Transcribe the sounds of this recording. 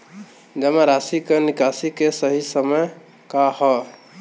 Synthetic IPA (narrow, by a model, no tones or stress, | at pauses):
d͡ʒəmaɾasikenikasikesəɦisəməj | kahɔ